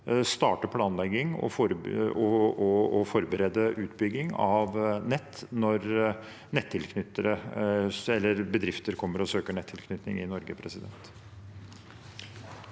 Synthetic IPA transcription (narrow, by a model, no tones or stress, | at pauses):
st̪ɑːʈəpʰlɑːnlɛɡɪŋɔ̰fɾɔɔɔfɔɾbəɾɛd̪əʔʉːt̪bʏɡːɪŋɑʋnɛt̪ːnɔɾ | nɛt̪ʰːɪlkʰnʏt̪ːəɾə | ɛlːəɾbəd̪ɾɪft̪əɾkʰɔmːəɾɔsøːkəɳɛt̪ʰːɪlkʰnʏt̪nɪ̰ŋɪ̰nɔɾɡəpʰɾɛsɪd̪ɛ̰nt̪